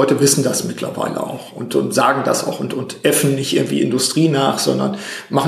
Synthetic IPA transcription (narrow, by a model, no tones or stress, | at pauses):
ɔʏtəvɪsn̩dasmɪtʰlɐ̰va̰ɪlʔə̰a̰ʊxʊntʊntz̥aːɡŋ̩da̰sa̰ʊxʊntʊntʔɛfn̩ːɪçtʔɪɐɡŋ̩tv̥ḭːɪ̰ndʊstʁ̥iːnaːχz̥ɔ̰ndɐ̰nmaχ